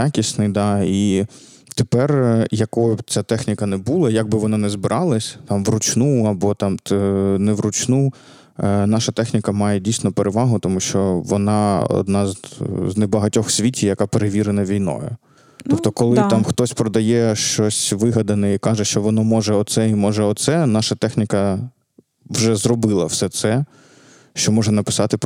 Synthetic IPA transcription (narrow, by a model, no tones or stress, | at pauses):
jakʲisʲnɪjd̪ɑi | t̪epɛrjɐkɔʊt͡sʲat̪ɛxnʲikɐnɛbulˠɐjaɡ̚bɪʋɔnɑnɛzbɪɾʔɑlˠɐsʲt̪ɑmʋrʊt͡ʃnuɐbɔt̪ɑmnɛʋɾʊt͡ʃnu | nɑʃɐt̪ɛxnʲɪkɐmɑjɛdʲijsʲnɔpeɾeʋɑɦʊt̪ɔmuʃt͡ʃɔʋɔnɑɔ̰d̪nɑzznebɐɦɐtʲɔxsʲʋʲitʲijɐkɑpeɾeʋʲiɾenɐʋʲijnɔ̰jʊ̰ | t̪ɔpt̪ɔkɔlˠɪt̪ɑmxt̪ɔsʲpɾɔd̪ɐjɛʃt͡ʃɔsʲʋɪɦɐd̪ɐnɛikɑʒɛʃt͡ʃɔʋɔnɔmɔʒɛɔt̪sɛimɔʒɛɔt̪sɛnɑʃɐt̪ɛxnʲikɐ | ʋʒɛzɾɔbɪlˠɐwsɛt̪sɛ | ʃt͡ʃɔmɔʒɛnɐpɪ̥sɑt̪ɪ